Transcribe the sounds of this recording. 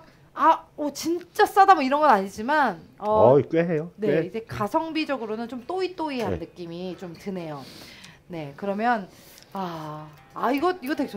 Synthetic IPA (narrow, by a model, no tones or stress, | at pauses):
aʌt͡ɕint͡ɕ͈as͈adamʌiɾʌnɡʌnaɲid͡ʑimanʌkweɦejoneid͡ʑe̞kasʰʌŋbid͡ʑʌɡɯɾonɯnt͡ɕomt͈oit͈oieɦanːɯk͈imit͡ɕomtɯne̞jo | ne̞kɯɾʌmjʌn | a | aiɡʌt̚iɡʌtekt͡ɕʰo